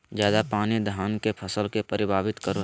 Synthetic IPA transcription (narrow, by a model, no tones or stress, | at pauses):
d͡ʒjaːd̪apaːnid̪ʱaːnkepʰəsəlkepəɾɪbʱaːbɪt̪kəɾo